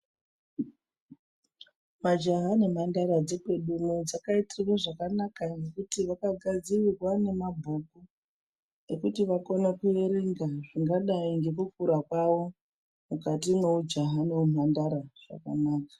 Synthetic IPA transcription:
mad͡ʒaɦane̞m̤andaɾad͡zekweɗumud͡zakaitirirwaʐakanakanekutiʋakaɡʱad͡zirirwane̞mabʱoku | ne̞kutiʋakonekueɾeŋɡaʐiŋɡaɗaiŋɡe̞kukuɾakwaʋo̞ | mukatime̞ud͡ʒaɦane̞umandaɾaʐ̥a̰kanaːkḁ

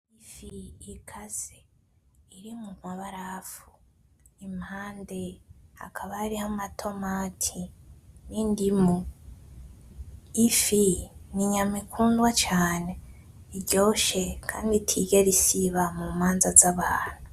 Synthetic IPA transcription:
ifiːkʰaze | iɾimumwaβaɾafu̥ | imhaːndea̰kʰaβaɾihamatʰo̞maːtʰinindimu | ifiniɲamikʰuːndwat͡ʃaːne̞ | iɟo̞ːʃe̞kʰaːnditʰiɡeɾisiβamumaːnzazaβaːn̥u

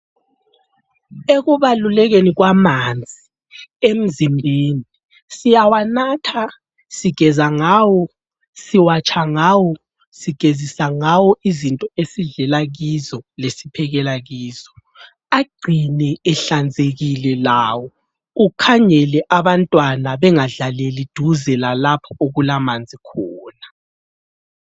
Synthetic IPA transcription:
eɣuβalulɛɣeniɣwamand͡zʱi | em̩zimbʱiːni | sijawanatʰa | siɡ̥ʱɛzaŋaːwɔ | siwat͡ʃʰʼaŋawɔ | siɡ̥ʱezisaŋawɔʔizintʼɔesiɮɛlaɣizɔlesipʰɛɣɛlaɣiːzɔ | aɡ͡ǀʱinɛɛɬand͡zʱeɣilɛlaːwɔ | ukʰaɲɛlɛʔaβantʼwanaβɛŋaɮalelid̥ʱuzɛlalapʰɔoɣulamand͡zʱikʰɔːna

